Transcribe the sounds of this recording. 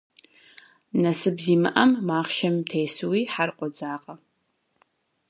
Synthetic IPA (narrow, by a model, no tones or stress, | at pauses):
nɐsɨbziːmɨ̰ʔɐmːaːχʃɐmːtʰejsɨwiːħarqʷʼɔd͡zaːqʼɐ